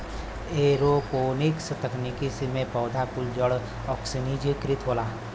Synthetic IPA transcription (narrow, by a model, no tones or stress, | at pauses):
eːɾopoːnɪkst̪ɐknikismẽpɔːd̪ʱakuld͡ʒəɽ | ɔːksinid͡ʒikɾɪt̪ɦoːlaː